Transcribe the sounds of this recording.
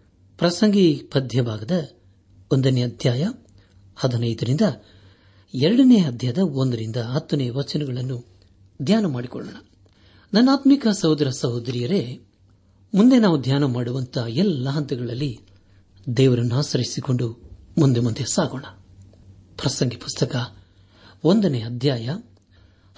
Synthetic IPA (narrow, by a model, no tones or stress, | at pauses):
pɾɐsɐŋɡipɐd̪ʱjɐbʱaːɡɐd̪ɐ | ond̪ɐneɐd̪ʱjaːjɐ | hɐd̪ɐnɐjd̪ɐɾind̪ɐ | ɛɾɐɽɐnejɐd̪ʱjɐjɐd̪ɐond̪ɐɾind̪ɐɐt̪ːuneːɐʋɐt͡ʃɐnɐɡɐɭɐnːu | d̪ʱjaːnɐmaːɽikɔ̰ɭo̰ːɳɐ | nɐnːaːt̪mikɐsɐɦud̪ɾɐsɐɦod̪ɾijɐɾe̞ | mund̪e̞naːʋud̪ʱjaːnɐmaːɽuʋɐnt̪ʰɐɛlːɐɦɐnt̪ɐɡɐɭɐlːi | d̪ɛːʋɐɾɐnːuaːsɐɾisiko̞ɳɖumund̪emund̪esaːɡoːɳɐ | pɾɐsɐŋɡipu̥st̪ʰɐkɐ | ond̪ɐneːɐd̪ʱjaːjɐ